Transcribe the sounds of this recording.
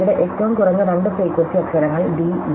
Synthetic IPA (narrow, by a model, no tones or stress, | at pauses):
uɽeʔetːɐʋɐmkurɐnːɨɾɐɳɖɨpreːkːwɐnsiɐksɐɾɐŋːɐɭɖiːʋ